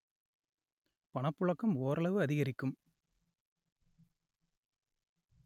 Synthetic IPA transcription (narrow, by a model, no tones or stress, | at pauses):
pɐɳɐpːʊɭɐkːɐmoːɾɐɭɐʋɯɐðɪɣɐɾɪkːɯm